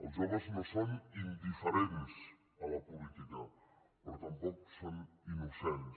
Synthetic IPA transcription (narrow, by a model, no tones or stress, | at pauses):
oʒoβosnosonind̪ifeɾenes | alapulit̪ika | peɾot̪ampɔkson | inusen